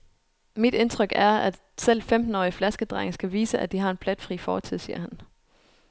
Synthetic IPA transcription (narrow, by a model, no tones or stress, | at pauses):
mid̥e̝nt͡sʰʁœɡ̥æɐæ̥ | sel̰femd̥n̩ɒ̰ːiflæsɡ̥əd̥ʁɑ̈ɪŋsɡ̥æʋiːsəʔæd̥iɦɑ̈e̝nb̥ʰlæd̥fʁḭːfɒ̰ːt͡sʰið̰ˠsḭːɐ̰hæn